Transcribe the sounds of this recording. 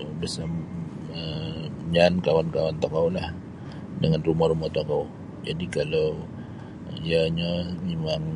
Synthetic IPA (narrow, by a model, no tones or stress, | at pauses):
bəsam | əɲankawankawant̪akawlah | dəŋanrumaɾumat̪okaw | d͡ʒadikalaw | ijaɲamemaŋ